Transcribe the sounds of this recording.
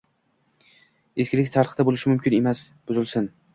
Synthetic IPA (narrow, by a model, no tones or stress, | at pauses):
eskʲɪlɪk̚ʲt̪ʰaɾχd̪abolɪʃɪmʊmkʲɪne̞masb̥ʊzɪlsɪn